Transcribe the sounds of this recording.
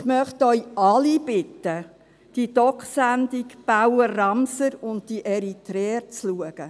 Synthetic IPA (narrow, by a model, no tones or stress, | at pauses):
χmœχtœʏʔɑlib̥ɪtːə | d̥id̥ɔkχsændikb̥awərɑmsəɾʊnd̚d̥iʔɛɾitɾɛːɾt͡sluəɡ̥ə